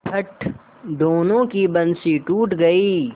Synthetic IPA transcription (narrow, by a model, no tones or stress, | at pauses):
pʰɐʈ | ɖ̪oːnõːkibɐ̃nsiʈuːʈɡɐiː